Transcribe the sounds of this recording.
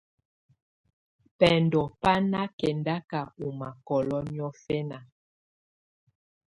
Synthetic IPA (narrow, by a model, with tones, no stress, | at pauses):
pɛ˨ndɔ˨pa˦na˦kɛ˨nda˦ka˨u˨ma˨kɔ˨lɔ˦mi˦ɔ˦fɛ˦na˨